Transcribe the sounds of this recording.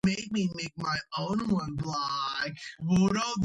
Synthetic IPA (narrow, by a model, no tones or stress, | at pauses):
meɪk̚mimeɪk̚maɪʔõʊ̃nwʌ̃nblakwɔɾo